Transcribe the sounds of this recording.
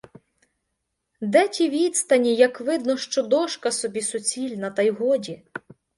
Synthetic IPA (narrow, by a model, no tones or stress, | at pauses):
d̪ɛtʲiʋʲid̪st̪ɐnʲijɐkʋɪd̪nɔʃt͡ʃɔd̪ɔʃkɐsɔbʲisʊt͡sʲilʲnɐt̪ɐjɦɔdʲi